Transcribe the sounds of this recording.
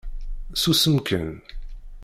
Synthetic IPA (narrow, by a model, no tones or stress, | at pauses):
susəmkʰə̰n